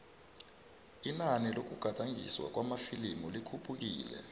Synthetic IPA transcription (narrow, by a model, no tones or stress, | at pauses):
inanilok̬uɡ̥ʱataŋḭswa̰k̬wamafilimulikʰupʰʼuk̬ḭːlɛ̰